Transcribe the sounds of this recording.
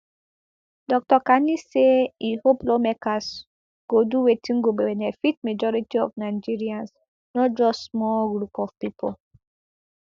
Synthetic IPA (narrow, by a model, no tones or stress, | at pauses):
dɔk̚tɔkaniseihoplomɛkas | ɡ̥oduwetʰĩŋɡobewɛnɛfit̚med͡ʒɔɾitiɔfnaɪd͡ʒiɹiãns | nɔt̚d͡ʒɔsmɔlɡɾupɔfpipʰɔl